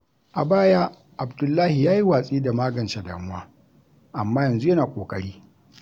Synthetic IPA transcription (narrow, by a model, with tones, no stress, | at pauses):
ʔa̰˨baː˦jaː˦ | ʔa˨bdʊ˨lːaː˦hi˨jaː˦ji˦waː˨sʼiː˦da˨maː˦ɡɐ˨nt͡ʃa˨da̰ː˨mʊ˦waː˦ | ʔa˨mːaː˦jɐ˨nzu˦jɐ˦naː˨kʷʼo̰ː˨kʼɐ˦ɽiː˦